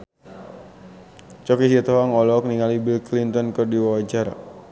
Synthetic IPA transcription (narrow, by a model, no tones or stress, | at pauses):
t͡ʃɔkisit̪ɔɦaŋɔlɔk̚niŋalibilklint̪ɔnkɔrdiwawad͡ʒar